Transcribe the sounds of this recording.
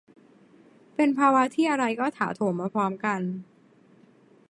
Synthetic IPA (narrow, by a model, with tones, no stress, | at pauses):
pe˧npʰaː˧wa˦˥t̪ʰiː˥˩ʔa˧ɾa˧jkɔː˥˩t̪ʰa̰ː˩˦t̪ʰoː˨˩˦mːaː˧pʰɾɔː˦˥mka˧n